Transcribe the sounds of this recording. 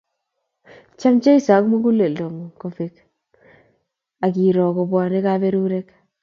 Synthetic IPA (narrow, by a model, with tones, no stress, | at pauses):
t͡ʃa˦mt͡ʃe˦i˦sa˨˦kmu˦ku˦le˨lo˨ŋ˨ko˨fe˨k | a˨kiː˨ɾɔ˨ko˨pwaː˨ne˦ka˦be˦ɾuː˦ɾɛ˦k